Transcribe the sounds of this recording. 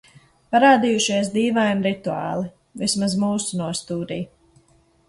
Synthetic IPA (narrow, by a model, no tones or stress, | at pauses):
paɾaːd̪ijuʃiɛs̬d̪iːvaːjmɾit̪uɑ̰ːlˠi | vismazmuːsunuɔst̪uːɾiː